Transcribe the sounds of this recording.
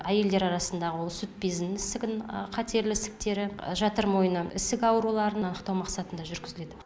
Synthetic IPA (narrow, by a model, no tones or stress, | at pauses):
æje̞ld̪e̞ɾɑɾɑsənd̪ɑʁəwo̞lˠsʏt̪̚pezɪnɪsɪɡʲɪnqʰɑt̪e̞ɾlɪsɪ̥k̚t̪e̞ɾɪʒɑt̪əɾmo̞jənəɪsɪkʲɑwɾulˠɑɾənɑnəqt̪ɑwmɑqsɑt̪ənd̪ɑʒʏɾɡʲɪzɪle̞d̪ɪ